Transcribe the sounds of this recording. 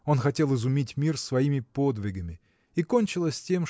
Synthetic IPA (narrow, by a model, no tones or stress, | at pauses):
o̞nxɐtʲe̞lˠɨzʊmʲitʲmʲirsvɐimʲɪpo̞d̪vʲɪɡəmʲɪ | ikonʲt͡ɕɪlˠəsʲtʲe̞m